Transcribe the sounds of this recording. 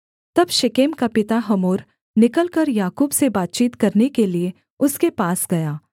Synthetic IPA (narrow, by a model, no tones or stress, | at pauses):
t̪ɐbʃɪkeːmkapɪt̪aɦɐmoːɾ | nɪkəlkɐɾjaːkuːbsebaːt̪̚t͡ʃiːt̪kɐɾnekelie | ʊskepaːsɡɐjaː